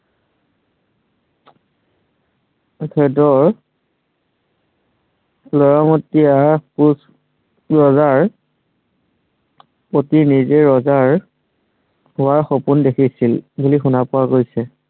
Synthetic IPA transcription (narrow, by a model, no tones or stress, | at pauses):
kʰɛdɔɹ | lɔɹamotːiapus | ɹɔzaɹ | potinizeɹɔzaɹ | hʊaɹxopundekʰisilbulixunapʊaɡojsɛ